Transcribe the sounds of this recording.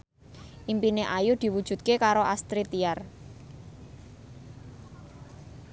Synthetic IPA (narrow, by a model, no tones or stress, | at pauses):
ʔimpineʔajud̪̥i̤wud̥ʒ̥ṳt̪̚kekaɾoʔast̪ɾit̪iar